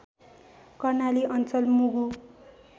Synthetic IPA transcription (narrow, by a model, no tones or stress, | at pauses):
kʌrnaliʌnt͡sʌlmuɡu